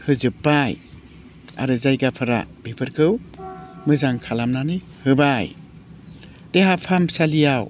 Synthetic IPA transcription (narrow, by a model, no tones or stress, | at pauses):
hɯzɯpːaj | a̰ɾɯzajɡapʰɯɾa̰b̥ipʰɯɾkʰɯwmɯzaŋkʰalamnanɯ | hɯbaj | teɦapʰamsalijaw